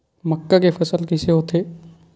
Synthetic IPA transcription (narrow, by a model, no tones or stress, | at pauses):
məkːakefʰɐsəlkɪseɦoːt̪ʰeː